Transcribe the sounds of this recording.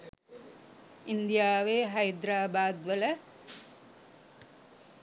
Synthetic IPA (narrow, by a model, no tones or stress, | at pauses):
ind̪ijaːʋeɦɐjd̪ɾaːbaːd̪ʋələ